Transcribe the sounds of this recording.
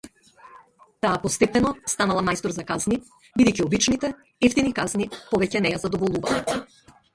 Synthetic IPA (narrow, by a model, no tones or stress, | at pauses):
t̪aːpɔst̪ɛpɛnɔst̪analˠamajst̪ɔɾzakazni | bid̪ɛjciɔbit͡ʃnit̪ɛ | ɛft̪inikaznipɔvɛcɛnɛjazad̪ɔvɔlˠuva̰lˠa